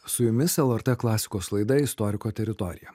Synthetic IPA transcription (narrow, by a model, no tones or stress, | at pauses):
sʊjʊmʲɪsɛlˠɛɾt̪ɛklˠɑːsʲɪ̥koːslˠɐɪd̪ɐɪst̪ɔɾʲɪkoːt̪ʲɛɾʲɪt̪ɔɾʲɪ̰jɛ